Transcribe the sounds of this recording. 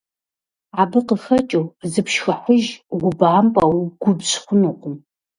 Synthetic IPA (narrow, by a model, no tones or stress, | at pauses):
aːbɨqəfɐt͡ʃʼowzɨpʃxɐħʷʊʒɡʷʊbaːmpʼɐwɡʷʊbɕχʷʊnuːqʷʊm